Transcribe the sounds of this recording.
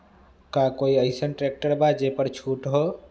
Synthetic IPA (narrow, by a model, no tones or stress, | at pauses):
kakoiəɪsənʈɾek̚ʈəɾbad͡ʒepəɾt͡ʃʰuʈɦo